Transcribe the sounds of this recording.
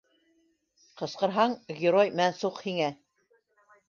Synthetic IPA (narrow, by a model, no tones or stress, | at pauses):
qɤ̆sqɤ̆ɾɦɑɴɡʲɪɾojmænsuqhiŋæ